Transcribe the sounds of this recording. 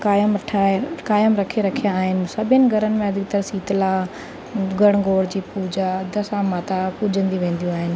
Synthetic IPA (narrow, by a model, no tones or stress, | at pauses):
kaːjəmɐʈʰakaːjəmɾɐkʰeɾɐkʰijaːɦɪnɪ̆sɐbʱɪnɪ̆ɡʱɐɾənɪ̆mẽɐd̪ʱɪɡt̪ɐɾsiːt̪laː | ɡʱɐɽ̃ɡoːɽd͡ʑiːpuːd͡ʑad̪ɐsãmaːt̪apʊd͡ʑʱə̃nd̪iʋẽːn̆d̪ijũaːɦɪnɪ̆